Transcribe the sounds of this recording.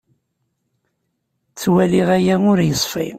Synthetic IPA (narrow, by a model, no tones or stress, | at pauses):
t͡sːwæliʁæjæʊɾjəsˤfḭ